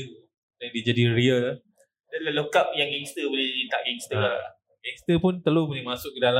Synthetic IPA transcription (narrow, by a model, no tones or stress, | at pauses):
aŋdid͡ʒadiɾiəa | dalalokap̚jaŋɡɛŋst̪əbolɪd͡ʒdit̪aʔɡɛŋst̪əla | ɡɛŋst̪əpʊnt̪əlupunimasʊk̚kːədala